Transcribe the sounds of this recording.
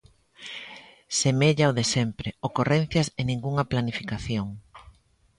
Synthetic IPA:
semeʎaoðesɛmpɾeokoren̟θjɐsenĩŋɡuŋɐplanifikaθjoŋ

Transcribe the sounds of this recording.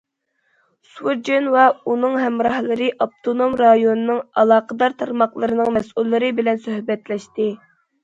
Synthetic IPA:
swud͡ʒenwɛunɨŋɦɛmɾɑhlˠɨɾɨʔɑp̚t̪ʰonomɾɑjonɨnɨŋɑlˠɑːqəd̪ɑɾt̪ʰɑɾmɑqlˠɨɾɨnɨŋmɛsulːɨɾɨbɪlɛnsøhbɛt̪lɛʃt̪ɪ

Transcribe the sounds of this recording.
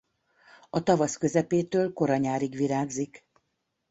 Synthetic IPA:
ɒt̪ɒvɒskø̞zɛpeːt̪øːlko̞ɾɒɲaːɾiɡʋiɾaːɡzik

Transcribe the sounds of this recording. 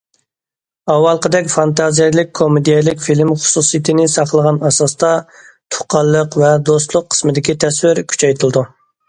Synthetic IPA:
ɑwɑlˠqəd̪ɛkʲfɑnt̪ɑzijɛlˠɪk̚ʲkʰːomed̪ijɛlɪkʲfilmχʊ̥susijit̪ʰɨnɪsɑqlˠəʁɑnɑsɑst̪ɑ | t̪ʰʊ̥qʰɑlˠːəqvɛd̪ost̪lˠʊqʰːə̥smɨd̪ɪkʲit̪ʰɛswɪɾkʲʰy̥t͡ʃʰɛjt̪ʰɨlˠɨd̪u

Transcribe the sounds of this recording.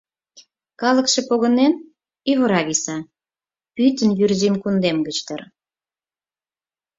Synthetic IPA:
kɑlə̆kʃe̽poɣə̆nen | iβəɾɑɣisɑ | pyt̪ənjyrzimkund̪emɡət͡ɕt̪ər

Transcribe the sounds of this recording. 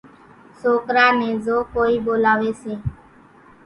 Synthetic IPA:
soːkɾaːneːzoːkoːiːboːlaːʋeːseː

